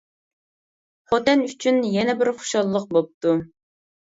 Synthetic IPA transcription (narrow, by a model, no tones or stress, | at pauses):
χot̪ɛnyt͡ʃʰynjɛnɛbɪɾχo̥ʃɑlˠːəq̚bop̚t̪u